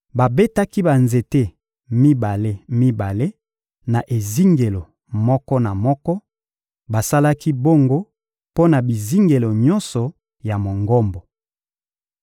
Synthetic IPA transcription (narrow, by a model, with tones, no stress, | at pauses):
ba˨be˦ta˦ki˦ba˨nze˨te˦ | mi˦ba˨le˦mi˦ba˨le˦ | na˨ʔe˨zi˦ŋɡe˨lo˨ | mɔ˦kɔ˦na˨mɔ˦kɔ˦ | ba˨sa˦la˦ki˦bo˦ŋɡo˦ | po˦na˨bi˨zi˦ŋɡe˨lo˨ɲɔ˦nsɔ˨ | ja˨mo˨ŋɡɔ˦mbɔ˨